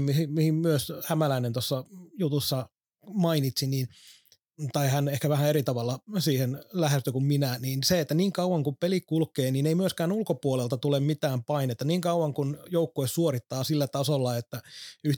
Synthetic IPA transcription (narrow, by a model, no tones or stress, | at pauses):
mihimihimmyøshæmælæinent̪osːɑjut̪usːɑ | mɑinit̪siniːn | t̪ɑihænehkæʋæhæeɾit̪ɑʋɑlːɑsiːhenlæhest̪økumminæniːnseet̪ːæniːŋkɑuwɑŋkumpelikulkːˑeːniːneimyøskæːnulkopuolelt̪ɑt̪ulemmit̪æːmpɑinet̪ːɑniːŋkɑuwɑŋkunjoukːoessuorit̪ːɑːsilːæt̪ɑsolːɑet̪ːæyh